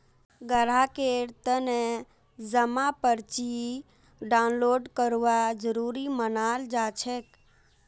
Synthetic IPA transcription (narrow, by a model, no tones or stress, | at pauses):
ɡəɽ̤akeɾt̪əne | d͡ʒəmapəɾt͡ʃi | ɖaʊnloɖkəɾʋad͡ʒəɾuɾimənald͡ʒat͡ʃʰek